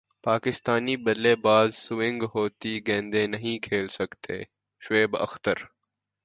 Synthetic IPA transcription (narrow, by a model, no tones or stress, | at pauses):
paːkɪst̪aːniːbəleːbaːzsʊʋɪ̃ŋɡɦoːt̪iːɡẽːnd̪ẽːnəɦĩkʰeːlsəkt̪ʰḛː | ʃeːbə̰xt̪əɾ